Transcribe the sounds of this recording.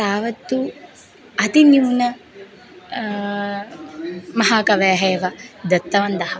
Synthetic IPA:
t̪aːʋɐt̪ːu | ɐt̪injuːnɐ | mɐɦaːkɐʋeːɦeːʋɐd̪ɐt̪ːɐʋɐnd̪ɐɦɐ

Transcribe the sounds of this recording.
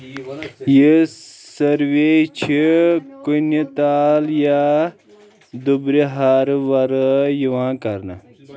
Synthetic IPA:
jisɐɾʋet͡ʃʰikunit̪aːlja | d̪ubɾiɦaɾʋɐɾjiʋãːkɐɾna̰

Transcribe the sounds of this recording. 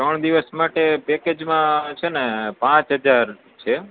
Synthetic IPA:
t̪ɾəɳ̃d̪iʋəsmaʈepeked͡ʒmãt͡ʃʰenepãt͡ʃɦəd͡ʒaɾ | t͡ʃʰe

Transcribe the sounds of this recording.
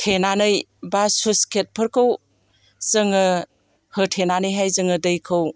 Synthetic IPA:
tʰenanɯjbasuskʰet̚pʰɯɾkʰɯw | zɯŋɯ | hɯtʰenanɯjɦajzɯŋɯdɯjkʰɯw

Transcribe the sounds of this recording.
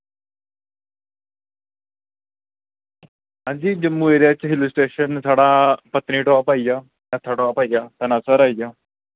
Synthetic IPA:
ãɲd͡ʑid͡ʑəmːueɾjat͡ɕaɦilusʈɾeɕənsaɽapət̪niːʈoʋapaija | ət̪ʰːaʈoapaijat̪ənasəɾaija

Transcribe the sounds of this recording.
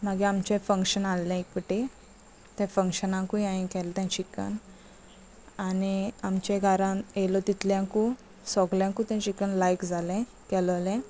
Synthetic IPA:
maɡeamt͡ɕẽfəŋkɕənalːɛ̃ikpəʈe | t̪ɛ̃fə̃ŋkɕənãkũaĩkɛlt̪ɛ̃t͡ɕikə̰n | aniamt͡ɕẽɡʱaɾãelɔt̪it̪ljãku | sɔɡljãkũt̪ãt͡ɕikənlajkd͡zʱalɛ̃ | kɛllɛ̃

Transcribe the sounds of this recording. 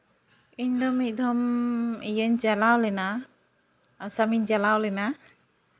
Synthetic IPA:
iɲd̪ɔmic̪̚ˀd̪ɔmijəɲd͡ʒalawlɛna | samiɲd͡ʒalawlɛna

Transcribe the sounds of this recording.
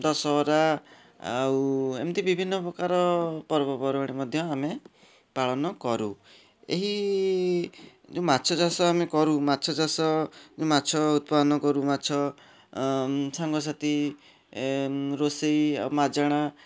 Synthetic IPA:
d̪ɔsɔɾa | a̰uḛmt̪ibibʱinːɔpɾɔkaɾɔpɔɾbɔpɔɾaɽ̃imɔd̪ʱjɔame | paɭɔnɔkɔɾṵ | ḛɦi | d͡ʒẽmatːt͡ʃʰɔd͡ʒasɔamekɔɾumatːt͡ʃʰɔd͡ʒasɔd͡ʒũmatːt͡ʃʰɔut̪̚pad̪ɔnɔkɔɾumatːt͡ʃʰɔ | saŋɡɔs̬at̪i | ɾoseja̰umad͡ʒaɽ̃a

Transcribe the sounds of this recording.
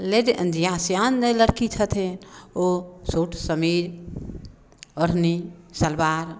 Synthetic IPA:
leɖʔə̰̃nd̪ijaːsjanneləɽkit͡ʃʰət̪ʰenosoːʈʰsəmiːɾ | oɾ̤nisəlbaːɾ

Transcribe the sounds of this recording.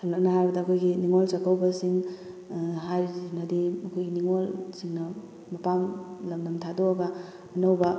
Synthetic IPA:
sɐllɐk̚nɐhaɾbɐdɐːkʰojɡiniŋolsɐkʰawbɐsiŋ | ɦaɾnɐdiɐkʰojɡiniŋolsiŋnɐ | mɐpamlɐmnɐmtʰadoɐɡɐː | nɐwbɐ

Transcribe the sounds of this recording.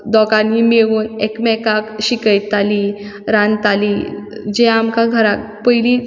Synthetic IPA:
d̪ɔkanimeʋuːnekmɛkakɕikəjt̪ːali | ɾãnt̪aliːd͡ʑɛ̃amkaɡʱəɾak̚ | pəjli

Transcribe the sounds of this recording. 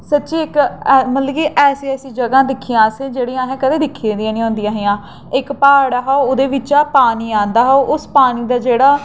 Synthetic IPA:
sətːʃiːɪkːmət̪lɡiːʔɛːseɛːsiːd͡ʒəɡãːd̪ɪkʰːijãːsẽːd͡ʒeːɽiãːɦɛ̃ːkəd̪eːd̪ɪkʰːiẽːd̪ijãːnĩːɦõːnd̪ijãːɦejãː | ɪkpaːɽaːɦaːooːd̪eːʋɪt͡ʃaːpaːniːãːnd̪aːɦoʔʊspaːniːd̪aːd͡ʒeːɽaː

